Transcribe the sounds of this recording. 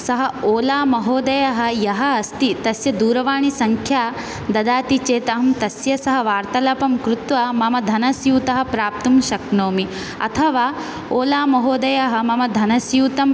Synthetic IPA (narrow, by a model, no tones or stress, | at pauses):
sɐɦɐoːlaːmɐɦoːd̪ɐjɐɦɐ̆jɐɦɐːst̪it̪ɐsjɐd̪uːɾɐʋaːɳisɐŋkʰjaː | d̪ɐd̪aːt̪it͡ʃeːt̪ɐɦɐmt̪ɐsjɐsɐɦɐʋaːɾt̪ɐlɐpɐmkɾut̪ʋɐmɐmɐd̪ʱɐnɐsjuːt̪ɐɦɐ̆pɾaːp̚t̪umʃɐknoːmi | ɐ̰t̪ʰɐʋaː | oːlaːmɐɦoːd̪ɐjɐɦɐ̆mɐmɐd̪ʱɐnɐsjuːt̪ɐm